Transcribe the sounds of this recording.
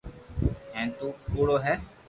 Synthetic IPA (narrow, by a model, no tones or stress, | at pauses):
ɦɛ̃ːt̪uːpuːɽoːɦɛː